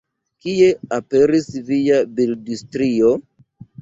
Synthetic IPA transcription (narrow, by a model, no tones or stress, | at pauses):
kie̞ape̞ɾisviabildistɾio̞